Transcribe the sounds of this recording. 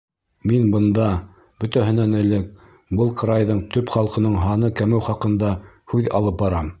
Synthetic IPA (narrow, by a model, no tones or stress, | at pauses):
minbɤ̆nd̪ɑ | b̥ɵ̆t̪æɦɘ̆nænɘ̆lɘk̚ | bɤlˠqɤ̆ɾɑjðɤɴt̪ɵpχɑlˠqɤ̆nɤɴɦɑnɤkæmɘwχɑqɤ̆nd̪ɑ | hʉðɑ̰lˠɤp̚bɑɾɑm